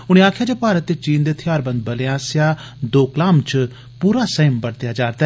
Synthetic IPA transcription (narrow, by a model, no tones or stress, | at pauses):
ʊɽ̃ẽaːkʰɪjaːd͡ʒeːpaːɾət̪ːeːt͡ʃiːnd̪eːt̪ʰɪjaːɾbə̃nd̪̚bəleːaːsjaː | d̪oːklaːmt͡ʃ | puːɾaːsəɦəmbəɽt̪ɪjaːd͡ʒaːɾd̪a